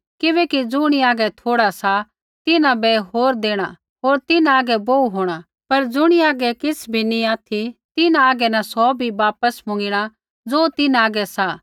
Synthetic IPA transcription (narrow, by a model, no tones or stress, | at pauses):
kɪbɛːkid͡zʊɽ̃iaːɡɛt̪ʰoːɽasa | t̪ɪnãbɛɦoːɾd̪eːɽ̃a | ɦoːɾt̪ɪnaaːɡɛbouɦoːɽ̃a | pɐɾd͡zʊɽ̃iaːɡɛkɪsʰbʱiniaːt̪ʰit̪ɪnãaːɡɛnɐ̃sɔbʱiʋaːpəsmʊ̃ŋɡɪɽ̃a | d͡zoːt̪ɪnaaːɡɛsa